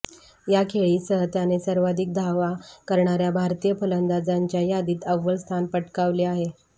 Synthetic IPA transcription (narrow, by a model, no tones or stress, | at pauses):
jakʰeɭiːsəɦət̪janesəɾʋad̪ʱik̚d̪ʱaʋakəɾɳaɾjabʱaɾt̪ijəpələnd̪ad͡zaɲt͡ɕjajad̪iːt̪əʋːəlst̪ʰanpəʈkaʋleaɦe